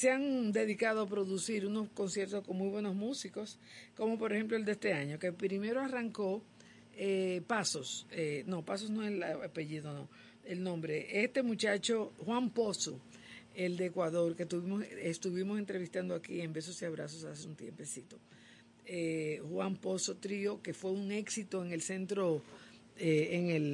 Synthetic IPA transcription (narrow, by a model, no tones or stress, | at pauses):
seaŋd̪e̞ðikaðoap̬ɾo̞ðusiɾuno̞sko̞nsje̞ɾt̪osko̞ŋmujβwe̞no̞zmusiko̞s | ko̞mo̞poɾexe̞mploeld̪est̪e̞aɲo̞ke̞pɾime̞ɾoaraŋko̞ | epasosenopas̬osno̞elaapeʝiðo̞no̞̰ | elnõ̞mbɾeʔest̪e̞mut͡ʃat͡ʃo̞xwampo̞so | eld̪eːkwaðo̞ɾke̞t̪uβimosest̪uβimos̬e̞nt̪ɾeβist̪and̪oakie̞mbe̞s̬osiaβɾa̰sosaseunt̪jḛmpe̞sit̪o̞ | ehwampo̞so̞t̪ɾio̞ke̞fwe̞uŋe̞ksit̪o̞eŋe̞lse̞nt̪ɾo̞ | eeŋel